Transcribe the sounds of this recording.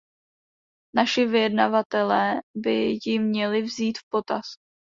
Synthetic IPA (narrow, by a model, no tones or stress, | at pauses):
naʃɪvɪjɛdnavat̪ɛlɛːbɪjɪmɲɛlɪvziːt̪fpo̞t̪as